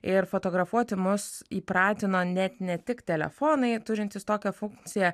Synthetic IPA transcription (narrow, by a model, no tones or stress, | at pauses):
ɪɾfoːt̪oːɡɾɐfuɔt̪ʲɪmʊsiːpɾɑːt̪ʲɪnoːnʲɛt̪nʲɛt̪ʲɪkt̪ʲɛlʲɛ̰foːnɐɪt̪ʊɾʲɪnt̪ʲɪst̪oːkʲɛfʊŋkt̪sʲɪjɛ